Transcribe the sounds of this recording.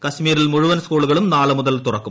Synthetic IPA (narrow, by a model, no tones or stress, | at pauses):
kɐɕmiːɾilmuɻuʋɐnskuːɭuɣɐɭumnaːɭɐmuðɐlt̪urɐkːum